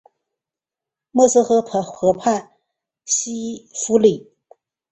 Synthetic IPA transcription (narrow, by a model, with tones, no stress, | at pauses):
mɔ˥˧s̩˥xɤ˧˥pʰə˧˩xɤ˧˥pʰa˥˩n | ɕi˥fu˥li˨˩˦